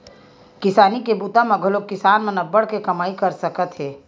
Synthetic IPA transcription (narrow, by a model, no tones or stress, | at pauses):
kɪsaːnikebuːt̪amãɡʱɐlokɪsaːnmenɐbəɽkekɐmaːikɐɾsɐkət̪ɦɛː